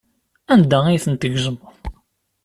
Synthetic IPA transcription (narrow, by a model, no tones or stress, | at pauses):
ænd̪æijθənt̪əʝʒəməðˤ